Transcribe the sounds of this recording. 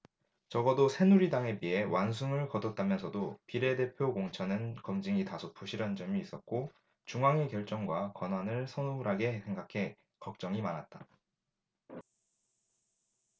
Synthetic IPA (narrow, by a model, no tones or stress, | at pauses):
t͡ɕʌɡʌdosʰe̞nuɾidaŋe̞pie̞wans̬ʰuŋɯɭkʌdʌt̚t͈amjʌnsʰʌdopiɾe̞de̞pʰjokoŋt͡ɕʰʌnɯnkʌmd͡ʑiŋitasʰop͈ʰuɕʰiɾand͡ʑʌmiːs͈ʌt̚k͈o | t͡ɕuŋaŋekjʌɭt͡ɕ͈ʌŋɡwakʌnɦwanɯɭsʰʌnuɾɦaɡe̞sʰe̞ŋɡakʰe̞ | kʌk̚t͡ɕ͈ʌŋimanat̚t͈a